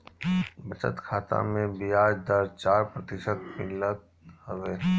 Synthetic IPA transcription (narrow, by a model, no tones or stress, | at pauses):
bɐt͡ʃə̰t̪kʰaːt̪ã̰mẽbɪjaːd͡ʒd̪əɾt͡ʃaːɾpɾət̪ɪʃəkmɪlə | həʋeː